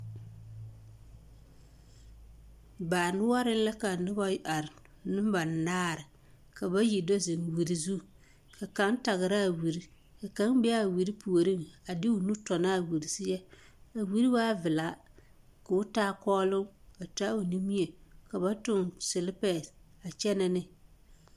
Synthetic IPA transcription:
baː˨nɪ˦wa˦ɾɪ˦n˦la˦ka˨nɪ˦ba˦a˨ɾ | nʊ˦m˦ba˨n˨naː˦˨ɾɪ˨ | ka˨ba˦ji˨dɔ˦zɪ˨ŋwi˨ɾi˦˨zu˦ | ka˨ka˨˦n˦ta˨ɣɪ˨ɾa˦˨wi˨ɾi˦ | ka˨ka˨˦ŋbɛ˦a˦˨wi˨ɾi˦pu˨o˨ɾi˦ŋa˨dɪ˦ʊ˨nu˦tɔ˨na˦˨wi˨ɾi˨sɪ˦jɛ˦ | a˨wi˦ɾi˦waː˦vɪ˨la˨˦ | ka˨ʊ˦taː˦kɔː˦lʊ˦ŋka˨ta˦u˨ni˦mi˦e˨ka˨ba˦tʊ˦˨ŋsɪ˨lɪ˦pɛ˨ | a˨t͡ʃɛ˦na˦nɪ˦

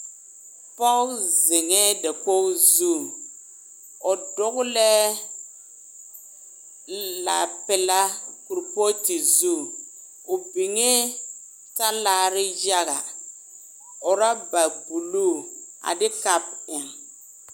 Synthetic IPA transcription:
pɔ˦zɪ˨ŋɛ˦dɛ˨ko˦zu˦˨ | ɔ˨dʊ˦ɣʊ˦lɛ˦ | la̰˨pɛ˨la˦ku˨ɾpo˦ti˨zuː˦˨ | ʊ˨bi˨ŋe˦ | ta˦laː˦˨ɾɪ˦d͡ʒa˦ɣa˨ | ɔ˨ɾa˦ba˨bu˨lu˦˨a̰˨dɪ˦ka˦pɪ˨m

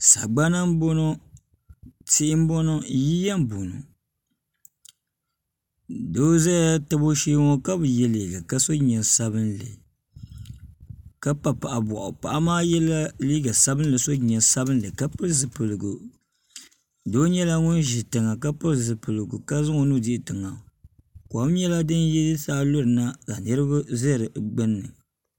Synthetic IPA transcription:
sa̰˨ɡ͡ba˦na˦m˦bo˦no˦ | ti˦ʔɪ˦m̩˦bo˦no˦ji˦ja˦m̩˦bo˨no̰˨ | do˦zɛ˦ta˦bo˦ʃeː˦ŋo˦ka˦bɨ˨jɛ˦liː˨ɡa˨ka˦so˦ɲɛ˨sa˦bɨ˦nlɨ̰˨ | ka˦pa˨pa˨ʔa˨bɔ˨ʔʊ̰˨pa̰˨ʔa˦maː˦jɛ˦la˦liː˦ɡa˨sa˦bɨ˦n˦lɨ˨so˦ɲɛ˨sa˦bɨ˦n˦lɨ˨ka˦pɨ˦zɨ˨pɨ˨lɨ˨ɡu˨ | do˦ɲɛ˦la˦ŋʊ˦nʒi˨tɨ˨ŋa˨ka˦pɨ˦lzɨ˨pɨ˨lɨ˨ɡu˨ka˦zɨ˦ŋo˨nu˦dɪ˦˨tɨ˨ŋa˨ | ko˨˦m˦ɲɛ˦la˦dɨ˦njɛ˦jɨ˦saː˦lo˦ɾɨ˨na˦za˨nɨ˦ɾɨ˦ba˦zɛ˦˨ɾɨ˨ɡ͡bɨ˦nːɨ˨

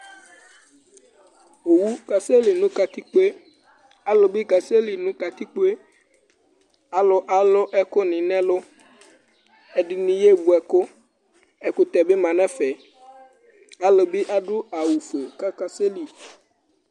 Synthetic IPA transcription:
o˨wu˦ka˨se˦li˨nũ˦ka˨t̪i˦k͡pe˦ | a˨lo˨bi˦ka˨se˦li˨nũ˨˦ka˨t̪i˦k͡po˦e˦ | a˨lʊ˦ʔa˨lʊ˦ʔɛ˦ko˦nɪ̃˨nɛ̃˦lʊ˦ | ɛ˨ɖi˨nĩ˨je˦bu˨ɛ˨ko˦ | ɛ˨ku˦t̪ɛ˨be˦mã˨nɛ̃˦fɛ˨ | a˦lo˨be˦ʔa˦ɖʊ˦a˨wu˨fe˨ka˦ka˦se˦li˨

